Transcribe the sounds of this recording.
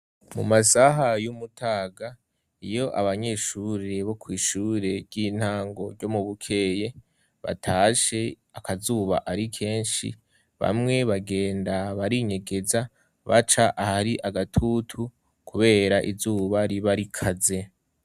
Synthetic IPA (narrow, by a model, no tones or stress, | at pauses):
mṵmasaɦajumutʰaːɡa | ijo̞ʔa̰βaɲe̞ːʃuːɾe̞βo̞kwiːʃuːɾe̞iːn̥haːŋɡo̞ɾɟo̞muβukʰe̞ːje̞ | βa̰tʰaːʃe̞ | akazuːβa̰ʔaɾikʰe̞ːnʃḭ | βa̰mŋe̞βaɡe̞ːndaβaɾiɲe̞ɡe̞za | βa̰t͡ʃaʔahaɾiʔaɡatʰutʰu | kʰuβe̞ːɾaʔizuːβaɾiβaɾikʰaze̞